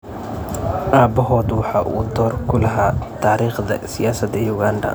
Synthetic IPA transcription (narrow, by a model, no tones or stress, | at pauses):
ʔaːbɔɦɔːd̪wɑħɑːʔṵːd̪ɔːrkʰʊlɐɦaːt̪ʰaːɾiːχd̪ɐ̰sɪjaːsɐd̪ɐjuɣaːnɖɐ̰